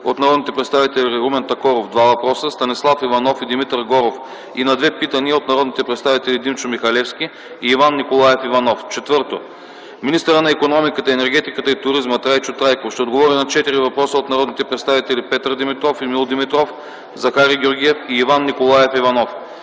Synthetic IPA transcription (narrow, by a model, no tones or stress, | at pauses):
ot̪nɐɾɔd̪nit̪ɛpɾɛt̪st̪avit̪ɛliɛumɛnt̪ɐkɔɾovd̪vavɐpɾɔsəst̪ɐnislˠafivɐnɔfid̪imit̪ɾɡɔɾof | inɐd̪vɛpit̪ɐniɐot̪nɐɾɔd̪nit̪ɛpɾɛt̪st̪avit̪ɛlid̪imt͡ʃʊmixɐlɛfskʲi | iːvanːikolˠajɛfivɐnɔft͡ʃɛt̪vɤɾt̪o̰ | minist̪əɾənɐikonɔmikət̪əɛnɛɾɡʲɛt̪ikət̪əit̪ʊɾizmət̪ɾajt͡ʃʊt̪ɾajkoʃt̪ɛod̪ɡovɔɾinɐt͡ʃɛt̪iɾivɐpɾɔsəot̪nɐɾɔd̪nit̪ɛpɾɛt̪st̪avit̪ɛlipɛt̪əɾd̪imit̪ɾɔfimilˠd̪imit̪ɾɔf | zɐxaɾiɡʲoɾɡʲiɛfiːvanːikolˠajɛfivɐnɔf